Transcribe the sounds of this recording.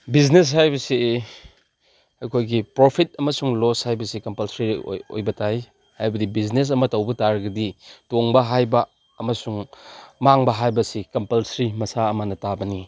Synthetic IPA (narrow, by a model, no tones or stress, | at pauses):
biznes̬hajbɐsi | ɐkʰojɡipɾopʰit̚ɐmɐsuŋloshajbɐsikɐmpɐlsɾḭo̰jbɐtaj | hajbɐdibiznes̬ɐmɐtɐwbɐtaɾɡɐditoŋbɐɦajbɐː | mɐsuŋmaŋbɐɦajbɐsikɐmpɐlsɾimɐsaɐmɐnɐtabɐni